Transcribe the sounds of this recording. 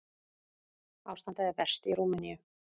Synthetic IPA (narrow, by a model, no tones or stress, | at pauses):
awst̪ant̪aðɪpɛr̥st̪iɾuːmɪnijʏ